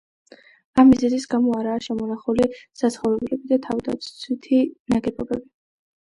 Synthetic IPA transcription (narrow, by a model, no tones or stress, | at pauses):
amːizɛzisɡamɔaɾaːʃɛmɔnaχulisat̪sʰχɔvɾɛbulɛbid̪at̪ʰavd̪a̰t̪sʰt̪sʰwit̪ʰinaɡɛbɔbɛbi